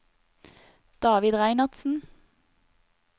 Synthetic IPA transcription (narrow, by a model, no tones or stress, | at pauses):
d̪̥ɑːʋɪd̪ʁæɪnɑʁd̪sn̩